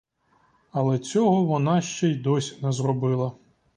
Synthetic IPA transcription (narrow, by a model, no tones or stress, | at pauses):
ɐlˠɛt͡sʲɔɦɔʋɔnɑʃt͡ʃɛjd̪ɔsʲnɛzrɔbɪlˠɐ